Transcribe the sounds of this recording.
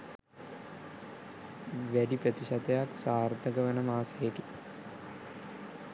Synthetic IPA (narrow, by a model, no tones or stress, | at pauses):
ʋæɖiprət̪iɕat̪ejaksaːrt̪əɡəʋənəmaːsejeki̥